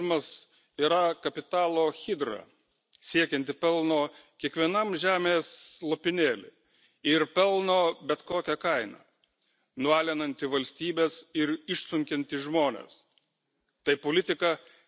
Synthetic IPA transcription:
mɐs | iːɾɐkɐpʲɪt̪ɑːlˠoːxʲɪd̪ɾɐ̰ | sʲiɛkʲɛnʲt̪ʲɪpʲɛlˠnoːkʲiɛkʋʲiɛnɐmʒʲæːmʲeːslˠopʲɪnʲeːlʲɪ̰ | ɪɾpʲɛlˠnoːbʲɛt̪koːkʲɛkɐɪnɐ̰ː | nʊɑːlʲɛnɐnʲt̪ʲɪʋɐlʲsʲt̪ʲiːbʲeːsɪɾɪʃsʊŋʲkʲɛnʲt̪ʲɪʒmoːnʲḛːs | t̪ɐɪpolʲɪt̪ʲɪkɐ

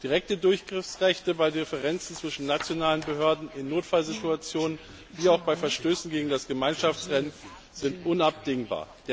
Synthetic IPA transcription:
d̥iʁɛk̚tədʊɐçɡ̥ʁɪfsʁɛçtəbaɪdʁefəʁɛnt͡sn̩t͡sv̥ɪʃn̩ːat͡sjonaːlənbəɦøːɐdn̩ɪnːoːtfalzɪtuat͡sjoːnən | viːaʊxb̥aɪfɛɐʃtøːsn̩ɡeːɡŋ̩dasɡ̥əmaɪnʃaft͡sʁɛn | z̥ɪntʔʊnap̚d̥ɪŋba̰ːɐd̥eː

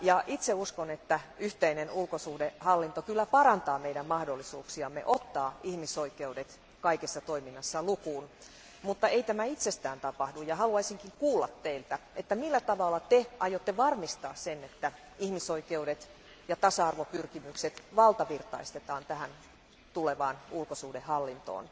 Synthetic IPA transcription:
jɑʔit̪seuskonet̪ːæyht̪einenulkosuhdehɑlːint̪okylːæpɑɾɑnt̪ɑːmeiɾæmmɑhdolːisṵːksiɑmːḛʔot̪ːɑːihmisoikeudet̪ | kɑikesːɑt̪oiminːɑsːɑlukuːn | mut̪ːɑeit̪æmæit̪sest̪æːnt̪ɑpɑhdujɑhɑluɑisiŋkiŋkuːlːɑt̪teilt̪æet̪ːæmilːæt̪ɑʋɑlːɑt̪eʔɑjot̪ːeʋɑrmist̪ɑːssenːet̪ːæ | ihmisoikeudet̪ | jɑt̪ɑsɑɑrʋopyrkimykset̪ʋɑlt̪ɑʋirt̪ɑist̪et̪ɑːnt̪æhæn | t̪uleʋɑːnulkosuːdehɑlːint̪o̰ːn

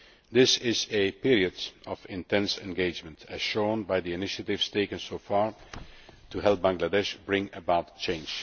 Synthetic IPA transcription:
d̪ɪsɪzɨpɪɹiɨdɔvɪ̃ntɛ̃nsɛ̰̃nɡeɪd͡ʒmə̃ntɨz̥ʃõʊ̃nbaɪðiɨnɪʃɨtɪv̥z̥teɪkɨ̃nsoʊfɑɹ | tuɦɛlˠp̚bæ̃ŋɡlədɛʃbɹɪ̃ŋəbaʊtt͡ʃẽɪ̃nd͡ʒ̥

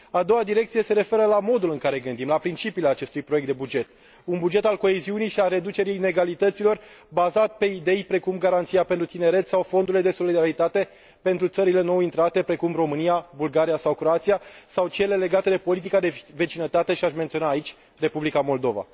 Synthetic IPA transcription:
ad̪o̞wad̪iɾe̞kt̪sije̞se̞ɾe̞fe̞ɾəlamo̞d̪ulɨŋkaɾe̞ɡɨnd̪imlapɾint͡ʃipiːleat͡ʃe̞st̪ujpɾoek̚t̪d̪ebud͡ʒe̞t̪ | unbud͡ʒe̞t̪alko̞eziunijʃialre̞d̪ut͡ʃe̞ɾijneɡalit̪ət̪silo̞r | bazat̪pe̞id̪e̞jpɾe̞kumɡaɾant̪siapent̪ɾut̪ine̞ɾe̞t̪ssawfo̞nd̪uɾle̞d̪e̞so̞lid̪aɾit̪at̪e̞ | pe̞nt̪ɾut̪səɾile̞no̞wint̪ɾat̪e̞pɾe̞kumro̞mɨnijabulɡaɾijasawkɾo̞at̪sijasawt͡ʃele̞le̞ɡat̪e̞d̪e̞po̞lit̪̬ikad̪e̞ve̞t͡ʃinət̪at̪e̞ʃiaʃment̪sio̞naːit͡ʃʲ | re̞publikamo̞ld̪o̞va̰

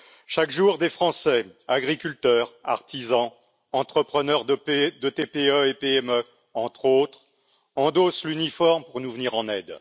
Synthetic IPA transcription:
ʃakʒuʁd̪efχɑ̃sɛaɡʁikʲylt̪œːʁa̰ʁt̪izɑ̃ | ɑ̃t̪χəpχənœʁd̪d̪ət̪epeøepeɛmø | ɑ̃t̪χot̪χ | ɑ̃d̪oslynifɔʁmpuʁnuvniʁɑ̃nɛd̪

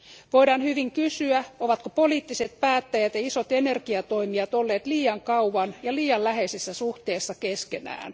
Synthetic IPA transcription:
ʋoidɑːnhyʋiŋkysyæoʋɑt̪kopoliːt̪ːiset̪̚pæːt̪ːæjæt̪jɑisot̪enerkiɑt̪oimiɑt̪olːeːt̪liːɑŋkɑuʋɑnjɑliːɑllæheisesːæsuht̪eːsːɑkeskenæ̰ːn

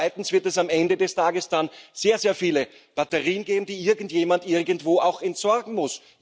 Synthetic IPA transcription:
ɪtn̩sv̥ɪɐtɛsamʔɛndədɛstʰaːɡəsd̥anz̥eːɐzeːɐfiːlə | b̥atəʁiːənɡeːbm̩d̥iːʔɪɐɡn̩tjeːmantʔɪɐɡəntv̥oːaʊxɛntz̥ɔɐɡŋ̩mʊs

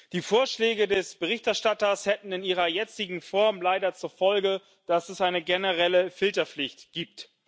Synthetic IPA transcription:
d̥iːfoːɐʃlɛːɡədɛsb̥əʁɪçtɛɐʃtatɐshɛtn̩ɪniːʁɐjɛt͡sɪɡŋ̩fɔɐmlaɪdɐt͡suɐfɔlɡə | d̥asɛsʔaɪnəɡenəʁɛləfɪltɐflɪçtɡ̥iːp̚t

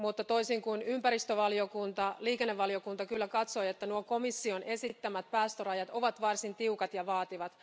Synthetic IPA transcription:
mut̪ːɑt̪o̞isiŋkunympæɾist̪øʋɑliokunt̪ɑliːkenːeʋːɑliokunt̪ɑkylːækɑt̪so̞jet̪ːænuoko̞misːione̞sit̪ːæmæt̪̚pæːst̪ørɑjɑt̪o̞ʋɑt̪ʋɑrsint̪iukɑt̪jɑʋɑːt̪iʋɑt̪

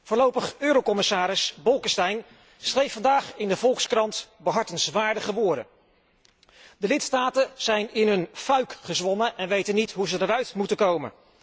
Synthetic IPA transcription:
v̥ʊːɹlowpəχøːɾowkɔmɪsaːɾɪsbɔlˠkəstɛjn | srejfɑndaːχɪndəvɔlˠkskrɑntbəɦɑɹtənsʋaːɹdəχəʋʊːɹdə̰ | dəlɪtstaːtənz̥ɛjnɪnɦɵnfœɥkχəzʋɔnəʔɛnʋejtənːitɦuzədəɾœɥtmutəkowmə̰n

